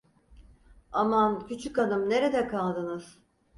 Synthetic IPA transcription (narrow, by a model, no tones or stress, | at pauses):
amancʰyt͡ʃʰykanɯmne̞ɾed̪ɛkʰalˠd̪ɯnɯz̥